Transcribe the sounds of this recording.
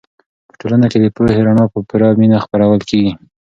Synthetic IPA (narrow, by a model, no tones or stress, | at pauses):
pə̥ʈolanaked̪əpoheɾaɳɑpəpuɾɑminaxpaɾawəlkeɡi